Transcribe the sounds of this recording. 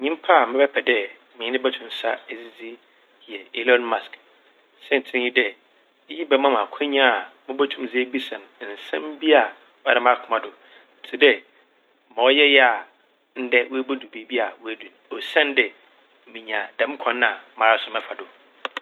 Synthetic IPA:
ɲĩ˦m˦pʰa˦˨mɪ̃˦bɛ˦pʰɛ˨dɛ˦ | mɪ̃˨˦nɪ̃˦bɛ˦tʰʊ̃˨m˨sa̰˦æ˨d͡zi˦d͡zi˦ | hi˨ɛ˨ɛ˦lɔ̃˦nma˨sk | sɛ˦n̩˨tʰɪ̃˦n˦ji˦dɛ˨˦ | ji˦bɛ˦mã˦˨mã˨kʰa˦ɲ˦ã˦a˨mʊ̃˦bɛ˦tʰũ˦mzi˦bi˦sɛ̃˨ñ˨n̩˨sɛ̰̃˦m˦bi˦a˨ | wa˦˨ɾã˦m˦ã˦˨kʰʊ˨mã˨dʊ˨ | n̩˨tʰɪ˦dɛ˦ | mɔ̃˨ɔ˦jɛ˦jɛ˦a˨ | n̩˦dɛ˦wæ˦bo˦du˨be˦˨˦bi˦a˨wæ˦dũ˨n˨ɔ˨sɛ̃˦ndɛ˨ | mĩ˨ɲ˨ã˨dɛ̃˨m˦kʷʰɔ̃˨˦nːã˨mã˨ɾa˦sʊ˨mɛ̃˦fʰa˨dʊ˨

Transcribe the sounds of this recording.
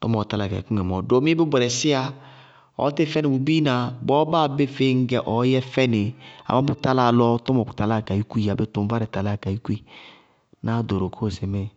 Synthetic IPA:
tɔ̰˦mɔ˨ta˨˦la˨ka˨i˨ku˦ŋɛ˨mɔ˨do˨˦mi˦e˦be˦bʷɛ˨ɾɛ˨sɪ˦a˦ | ɔ̰˨˦te˦fɛ˦nɪ˨bu˨bi˦na˨bɔ˦ba˦˨be˦fe˦ŋ̩˦ɡɛ˨ʔɔ˨˦jɛ˦fɛ˦nɪ˨a̰˨ma˦bu˦ta˦la˦˨lɔ˦tɔ˦mɔ˨ku˨ta˨la˦˨ka˨ji˦ku˦i˨a˨be˦tu˨m˦ba˦ɾɛ˨ta˨la˦˨ka˨ji˦ku˦i˨ | na˨˦˨do˨ɾo˨kʰo˦˨se˨me˦

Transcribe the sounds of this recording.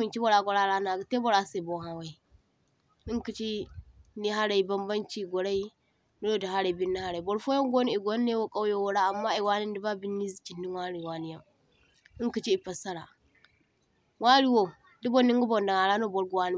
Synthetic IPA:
mi˨nt͡ʃi˦bo˨ɾa˨ɡo˨ɾa˦ɾa˦na˨ɡte˦bo˨ɾa˨se˨bo˨ɦa˨wa˨i˨ | ni˦ŋki˨t͡ʃi˦ni˦ɦa˦ɾa˨i˨ba˦mba˦nt͡ʃi˦˨ɡo˨ɾa˦i˦ | nu˦ɾo˦da˨ɦa˦ɾa˨i˨bi˦ni˦ha˦ɾa˨i˨bo˨ɾfo˦ja˦ŋɡo˦ni˦˨i˨ɡo˦nː˦e˦wo˦kʼa˦jo˦wo˦ɾa˦a˨mːa˦i˨wa˦ni˦n˦di˦ba˦bi˦nːi˦zi˨t͡ʃi˨nːi˦wa˦ɾi˨wa˦ni˦ja˦m | i˦ŋki˨t͡ʃi˦i˨pa˨sa˦ɾa˨ | wa˦ɾi˦wo˨ | di˦bo˦ni˦ŋɡu˦bo˨nda˨ŋa˨ɾa˦no˦˨bo˨ɾɡu˨wa˦ni˦

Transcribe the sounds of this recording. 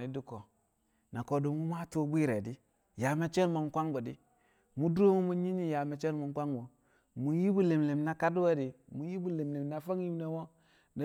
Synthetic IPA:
i˨˦du˦ko˨ | na˨ko˨do˦mu˦m˦a˦to˦bi˦ɾe˨di˦ | ja˨me˦t͡ʃe˦n˦mo˨ŋkʷa˦ŋbo˨di˦ | mu˦do˦mu˦mu˦ɲi˦ɲi˦ja˨me˨t͡ʃe˦n˦mo˨ŋ˦kʷa˦ŋbo˨ | mu˨ji˦bu˦le˨mle˨mna˦ka˦du˦we˦di˨mu˨ji˦bu˦le˨mle˨mna˦fa˦ŋji˦m˦ne˦wo˦ | na˨˦

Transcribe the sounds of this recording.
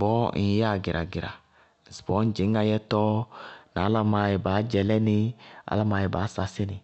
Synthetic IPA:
bɔ˦n˦ja˦˨ɡɪ˨ɾʔa˨ɡɪ˨ɾa̰˨ | sbɔ˦n̩˦d͡ʒɪ˨˦ŋ˦a˧jɛ˦tɔ˦n˨a˨˦la˦ma˨˦jɛ˨baː˨˦d͡ʒɛ˨lɛ˦nɪ˦a̰˦la˦ma˨jɛ˨ba˨˦sa˨sɪ˦nɪ˨

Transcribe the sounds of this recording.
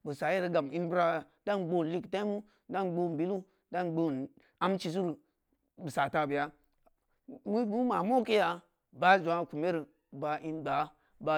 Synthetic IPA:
bə˨sa˨je˦ɾi˨ɡa˨m˨i˦nbɾa˦˨a˨ | da˦nɡ͡bo˦˨n˨li˦kta˦i˦mu˦ | da˦nɡ͡bo˦n˨bi˦lu˦ | da˦nɡ͡bo˦˨n | a˦mt͡ʃi˧s̬u˦ɾu˨ | bu˨sa˨ta˨bə˨ja˦ | mu˦bi˦ma˨mo˦ki˦ja˧ | ba˦zʷa˨˦˨ku˨me˦ɾi˨ | ba˨ʔi˦nba˨˦ | ba˧

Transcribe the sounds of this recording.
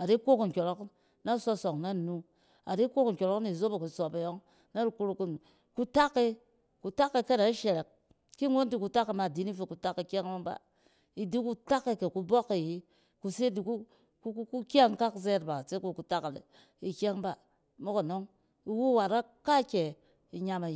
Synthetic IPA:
a˨ɾi˦ko˦kŋ̩˨kʲo˨ɾo˦k | na˦so˧so˨ŋna˦˨nu˦ | a˨ɾi˦kʷo˦kŋ̩˨kʲo˨ɾo˦kni˨zo˦be˨ku˨so˨pe˨jo˦ŋ | na˦ɾu˨ku˦ɾu˨ku˦n˨ | ku˦ta˦kːe˦ | ku˨ta˦kːe˧ke˦na˨i˦ʃe˨ɾe˨k̚ | ki˦ŋo˦nti˦ku˧ta˦kːe˨ma˨di˨˦ni˦fe˨ku˨ta˦kːi˨kʲa˦ŋ˦o˦ŋba̰˨ | i˨di˦ku˦ta˦kːe˨ke˨ku˧bo˦ke˨ji˦ | ku˧se˦di˨ku˦ | ku˦kku˦kʲa˦ŋka˦kze˦ɾba˨se˦ku˦˨ku˨ta˦ka˨ | i˨kʲa˦ŋba˦ | mo˦ko˨no˦ŋ | i˨wu˦wa˨ɾa˦ | ka˦kʲe˨ | i˨ɲa˧ma˨

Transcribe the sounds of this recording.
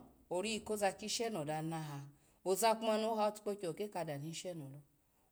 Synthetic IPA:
o˨ɾi˦i˨ko˦za˧ki˦ʃɛ˦nɔ˨da˧na˧ɦa˧ | o˨za˧k͡pma˧no˨˦ɦa˧o˦tu̥˦k͡po˧t͡ʃo˨o˨ke˦ka˧da˨ni˧˦ʃɛ˦nɔ˨lɔ˧

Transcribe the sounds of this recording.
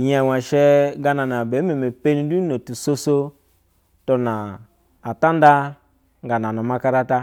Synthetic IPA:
ja˨wa˨ʃe˦ɡa˧na˨na˨be˨˦me˨me˨pe˦ni˦du˦no˨tu˨so˦so˦ | to˧naː˨ | ta˦n˦da˦ | ŋɡa˨na˨no˨ma˧ka˧ɾa˦ta˦

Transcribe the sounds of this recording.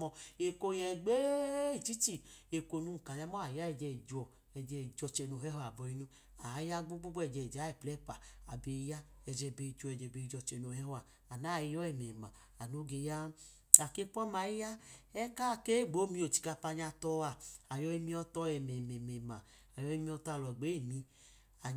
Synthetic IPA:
mɔ˧e˨ko˧jɛ˧ɡ͡be˦i˨t͡ʃi˦t͡ʃi˦e˧ko˧nu˧˨ka˨ɲa˧˦mɔ˦a˨ja˦ɛ˧˨d͡ʒɛ˧˨d͡ʒɔ˨ | ɛ˧d͡ʒɛ˧˨d͡ʒɔ˧t͡ʃɛ˧no˧˨ɦɛ˦ha˨bɔ˧i˧nu˧ | a˨˦ja˦ɡ͡bo˦ɡ͡bo˦ɡ͡bɛ˧˨d͡ʒɛ˨d͡ʒa˨˦ɛ˨plɛ˦pa˨a˨be˨˧˦ja˦ɛ˧d͡ʒɛ˧be˧˨d͡ʒɔ˧˨ɛ˧˨d͡ʒɛ˧˨be˧i˧˨d͡ʒɔ˧t͡ʃɛ˧no˨ɛ˦ha˨ | a˨na˦˨i˧jɔ˦ɛ˨mɛ˨ma˨ | a˨no˨˦ɡe˧ja˦ | a˨ke˧k͡pɔ˦ma˨i˦ja˦ɛ˦ka˦˨ke˦˨ɡ͡bo˨˦mi˧˦o˨t͡ʃi̥˧ka˧pa˧ɲa˧tɔ˧a˨a˨jɔ˧i˧mi˦˧ɔ˧tɔ˧˦ɛ˨mɛ˨mɛ˨mɛ˨ma˨ | a˨jɔ˧i˧˦mi˧˦ɔ˧ta˧˨lɔ˨ɡ͡be˨˦e˦˨mi˧ | a˨

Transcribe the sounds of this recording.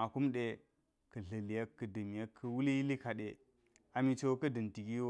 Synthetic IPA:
a˨ku˦mɗe˦ | kə˨ɮə˨li˨ja˦kːə˨də˨m˨ja˦kʰːə˨wu˦li˦ji˦li˦ka˨ɗe˨ | a˨mi˨t͡ʃo˨˦kə˦də˨nti˨ɡi˦

